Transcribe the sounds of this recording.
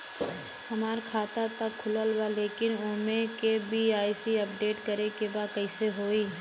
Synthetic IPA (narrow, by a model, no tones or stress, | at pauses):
hɐmaːɾkʰaːt̪at̪ɐkʰːʊləlwaleːkɪnoːmẽkebʱiaːisiɐpɖeːʈkɐɾekebaːd̪̚kɐiseɦoːiː